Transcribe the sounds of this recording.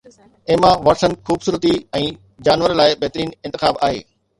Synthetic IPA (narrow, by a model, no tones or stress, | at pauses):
ɪɦmãʋɐɾsənɪ̆xuːbsuːɾət̪iɛ̃ː | d͡ʑaːnʋəɾlaːɪbɛɦt̪ɾiːnɪ̃nt̪ɪxaːba̰ːɦḛː